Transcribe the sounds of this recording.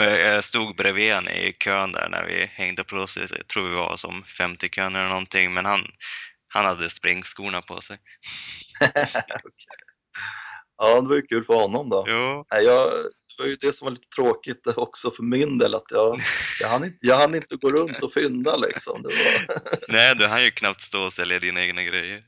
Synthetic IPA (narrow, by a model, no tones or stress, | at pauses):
mɛjɑst̪uːɡbɾeveːnɪ̰kʰøːnd̪æ̰ːɾɳæ̰ɾvɪ̰hɛŋd̪əpʰlɔslɪ̰t̪ʰɾuːɾvɪva̰sɔmfɛmt̪ɪkʰøːnɛlənɔnt̪ʰɪŋmɛnhan | hanhad̪ːəspɾɪŋːskuːnapʰɔ̰sɛj | ɔkʰɛ | ɑːd̪ɛvajɵkʰʉ̟ːlfœɾhɔnːɔmd̪ɔnæɪjɑːd̪̥ɛvaɾjɵd̪ɛsɔmvaliːt̪ə̥t̪ʰɾoːkɪt̪ɔksɔfœɾmɪnd̪eːlat̪jɑːjɑhanɪnt̪jɑːhanɪnt̪əɡoːɾɵnt̪ɔfʏnd̪aɭɪ̰ksɔ̰md̪ɛva̰nnɛɪd̪ɵanjɵkʰnap̚t̪st̪oːɔsɛljad̪iːnaeːɡnaɡɾɛjːəɾ